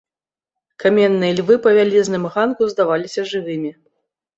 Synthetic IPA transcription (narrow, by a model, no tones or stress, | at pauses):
kamʲɛnːɨjɐlʲvɨpɐvʲalʲiznɨmɣankuzd̪avalʲisʲɐʐɨvɨmʲi